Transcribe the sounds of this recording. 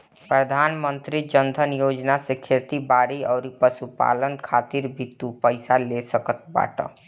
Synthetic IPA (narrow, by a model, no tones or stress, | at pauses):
pɾəd̪ʱaːnmənt̪ɾid͡ʒənd̪ʱənjoːd͡ʒnasekʰeɾt̪ibaːɾiɔːɾipəsupa̰ːlənkʰaːt̪iɾbʱit̪ːupəɪsalesəkət̪̚ba̰ːʈə̰